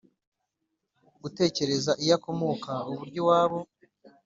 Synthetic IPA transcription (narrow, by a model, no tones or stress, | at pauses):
ɡ̥ute̞ːce̞ɾe̞zaʔijako̞mo̞ːkauβuɾɟo̞waːβo̞